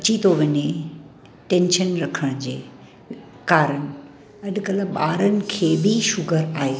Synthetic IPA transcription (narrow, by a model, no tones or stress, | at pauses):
ɐt͡ɕit̪oʋɐɲe | ʈẽnʃənɾɐkʰəɽ̃d͡ʑeː | kaːɾəɽ̃ɪ̆ | ɐɗkɐləɓaːɾənɪ̆kʰeːbʱiʃʊɡʱəɾaːɦeː